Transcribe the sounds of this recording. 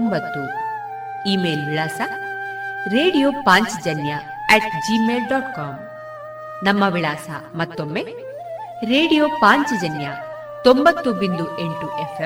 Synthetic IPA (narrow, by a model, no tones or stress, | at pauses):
mbɐt̪ːu | iːmeːlʋiɭaːsɐ | ɾeːɽijoːpaːɲt͡ʃd͡ʒɐnjɐ | ɛʈd͡ʒimeːlɖɔːʈkaːm | nɐmːɐʋiɭaːsɐ̰mɐt̪ːomːe | ɾeːɽijoːpaːɲt͡ʃd͡ʒɐnjɐ | t̪ombɐt̪ːubind̪ueɳʈuʔepʰe